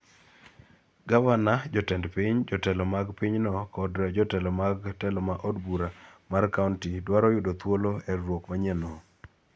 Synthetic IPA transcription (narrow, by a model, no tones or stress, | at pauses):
ɡavanad͡ʒɔtɛndpiɲd͡ʒɔtɛlɔmaɡpiɲnɔkɔdd͡ʒɔtɛlɔmaɡtɛlɔmaʔodbuɾamarkauntidwaɾɔjʊdot̪woloɛɾwokmaɲɛnɔ